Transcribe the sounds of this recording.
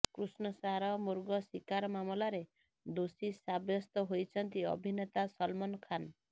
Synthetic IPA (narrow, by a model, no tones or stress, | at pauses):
kɾusnɔsaɦɾɔmuɾɡɔsikaɾmamɔlaɾe | d̪osisabjɔst̪ɔɦojt͡ʃʰɔnt̪iɔ̰bʱinet̪asɔlmɔnɔkʰan